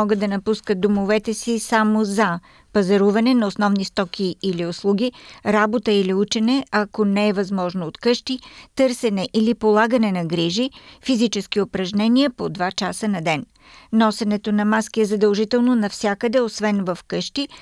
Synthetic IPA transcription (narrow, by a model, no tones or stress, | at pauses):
ɔɡəd̪̚d̪ɐnɐpuskət̪̚d̪omovɛt̪ɛsisamozɐ | pɐzɛɾuvɐnɛnɐosnɔvnist̪ɔk̟ʲiːlioslˠuɡʲiɾabot̪əiliut͡ʃɛnɛɐkonɛːvɐzmɔʒnoːt̪kɤʃt̪it̪ɤɾsɛnɛʔilipolˠaɡənɛnɐɡɾiʒifizit͡ʃɛsk̟iopɾɐʒnɛniəpod̪vat͡ʃasənɐd̪ɛn | nɔsɛnɛt̪onɐmaskiɛzɐd̪ɐlˠʒit̪ɛlˠnonɐfsʲakəd̪ɛosvɛnvɐfkɤʃt̪i